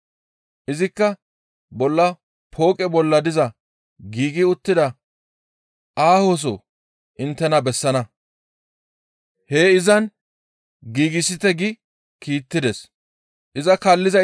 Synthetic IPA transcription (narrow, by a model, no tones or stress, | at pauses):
ʔɪzɪkːɐ | bɔlːɐ | pʰo̞ːkʼɛbɔlːɐd̪ɪzɐ | ɡiːɡɪʊt̪ːɪd̪ɐ | ʔaːhos̬ɔ̰ | ʔɪnt̪ːɛnɐbɛsːɐnɐ | heːɪzɐn | ɡiːɡɪsɪt̪ɛɡɪ | kiːt̪ːɪd̪ɛs | ʔɪzɐkɐlːɪzɐ